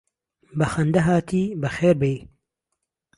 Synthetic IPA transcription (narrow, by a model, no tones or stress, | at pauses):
bɐxɐnd̪ɐɦaːt̪ʰiːbəxeːɾbej